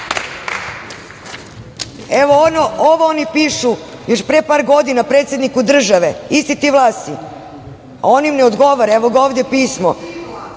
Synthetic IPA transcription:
eʋonooʋoonipiːʃu | joʃpɾepaːɾɡo̞d̪inapɾet̪sjed̪nikud̪r̩ʒaʋeist̪it̪iʋlˠaːst̪i | onimneod̪ɡo̞ʋaɾaeʋoɡaoːvd̪epiːsmo̰

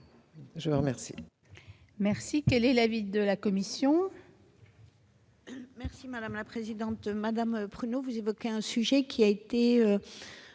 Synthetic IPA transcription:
ʒəvuʁmɛʁsḭ | mɛʁsikɛlɛlavid̪əlakɔmisjɔ̃ | mɛʁsimad̪amlapχezid̪ɑ̃t̪mad̪ampχynovuzevɔkʲeɛ̃syʒɛkʲʰiaet̪eø

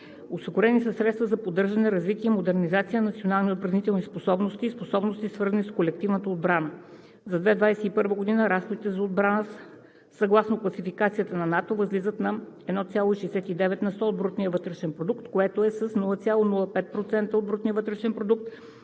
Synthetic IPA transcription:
osiɡʊɾɛnisəsɾɛt̪st̪vəzɐpod̪ːɤɾʒɐnɛɾɐzvit̪iəimod̪ɛɾnizat̪sijənɐt̪sionalˠniot̪̚pɾɐvnit̪ɛlˠnisposɔbnost̪iːsposɔbnost̪isvɤɾzənʲiskolɛk̚t̪ivnət̪əod̪bɾanə | zɐd̪vɛd̪vajsɛipɤɾvəɡod̪inəɾasxod̪it̪ɛzɐod̪̚bɾanə | sɐɡlˠasnoklˠɐsifikat̪sijət̪ənɐnat̪ovəzlizət̪nɐ | ɛd̪nɔt̪sʲalˠoiʃɛɛsɛt̪id̪ɛvɛt̪nɐst̪ɔod̪̚bɾut̪nijəvɤt̪ɾɛʃɛnpɾod̪ukt̪koɛt̪oɛsəsnulˠət̪sʲjalˠonulˠəpɛt̪̚pɾot̪sɛnt̪əotd̪bɾut̪niəvɤt̪ɾɛʃɛnpɾod̪uk̚t̪

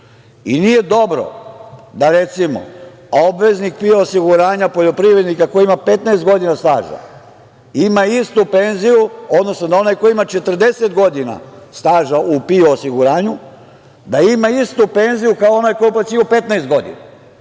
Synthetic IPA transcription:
inije̞d̪o̞bɾo̰d̪aɾe̞t̪simo̰ | obʋeznik̚pioosiɡuɾaːɲapo̞ʎo̞pɾiʋɾed̪nikakojoimape̞t̪naest̪ɡo̞d̪inast̪aːʒa̰ | imaist̪upe̞nzijuo̞d̪no̞snod̪ao̞najkojiimat͡ʃe̞t̪r̩d̪e̞set̪̚ɡo̞d̪ina̰st̪aːʒaupioːsiɡuɾaːɲu | d̪aimaist̪upe̞nzijukaoo̞najko̞jupasiupet̪naest̪ɡo̞d̪ḭna̰

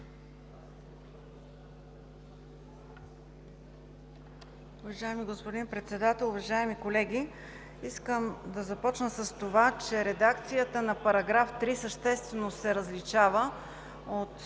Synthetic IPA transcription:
ʊvɐʒaɛmiɡospod̪inpɾɛt̪sɛd̪at̪ɛlˠʊvɐʒaɛmikolɛɡʲi | iskəmd̪ɐzɐpɔt͡ʃnəsəst̪ovat͡ʃɛɾɛd̪akt̪sijət̪ənɐpɐɾɐɡɾaft̪ɾisəʃt̪ɛst̪vɛnosɛɾəzlit͡ʃavə | ot̪

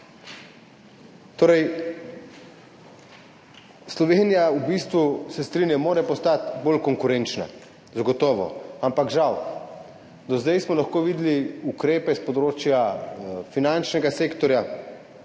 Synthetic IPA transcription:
t̪oːɾɛj | slɔʋeːnijaubiːst̪ʋusɛst̪ɾinjamoːɾɛpɔst̪at̪boːlkɔŋkuɾent͡ʃna̰ | zaɡɔt̪ɔːʋɔ̰ampakʒaw | d̪ɔzd̪ɛjsmɔlaxkoːʋiːd̪liukɾeːpɛspɔd̪ɾoːt͡ʃjafinant͡ʃnɛɡaseːkt̪ɔɾja

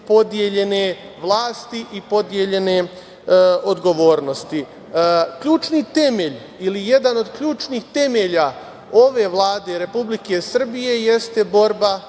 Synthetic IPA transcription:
po̞d̪je̞ʎe̞ne̞ | ʋlˠaːst̪iʔipo̞d̪je̞ʎe̞ne̞ | o̞d̪ɡo̞ʋo̞ːɾno̞st̪i | kʎuːt͡ʃnit̪e̞me̞ʎ | ilije̞d̪ano̞d̪kʎuːt͡ʃnixt̪e̞meʎa | o̞ʋe̞ʋlˠaːd̪e̞ɾe̞publike̞sr̩bije̞je̞st̪e̞bo̞ɾba

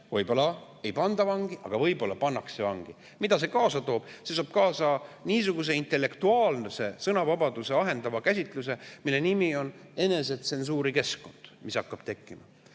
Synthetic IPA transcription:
vɤjbo̞lːɑ | e̞jpɑnd̪̥ɑvɑŋɡ̥iʔɑ̰ɡ̥ɑvɤjbo̞lːɑpɑnːɑkssevɑŋɡ̥i | mid̪ɑs̬e̞kɑːsɑt̪o̞ːb̥sesoɑːb̥̚kɑːsɑniːsuɡ̥us̬e̞int̪e̞lːe̞kt̪uɑːlnese̞sɤnɑvɑbɑd̪use̞ɑɦe̞nd̪ɑvɑkæs̬ʲit̪ˑlus̬e̞milːe̞nimio̞ne̞ne̞se̞t̪se̞ns̬uːɾike̞sko̞nd̪̥misɑkːɑb̥t̪e̞kˑːimɑ

